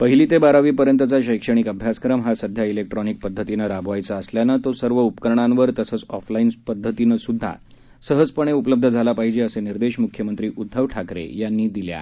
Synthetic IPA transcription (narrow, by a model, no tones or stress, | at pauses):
pəɦiliːt̪ebaɾaʋiːpəɾjənt̪ət͡saɕəjkʂəɽ̃ikəbʱjaskɾəmɦasəd̪ʱjailek̚ʈɾɔnik̚pəd̪ʱːət̪inəɾabʱʋajt͡saːsljanat̪osəɾʋəupəkəɾɳãnʋəɾt̪əsət͡sɔflainpəd̪ʱːət̪inəsud̪ʱːa̰ | səɦəd͡zpəɳ̃eupələb̚d̪ʱəd͡zʱalapaɦid͡ʑeəseniɾd̪eɕmukʰjəmənt̪ɾiːʔud̪ʱːəʋʈʰakɾḛjanːiːd̪ilja̰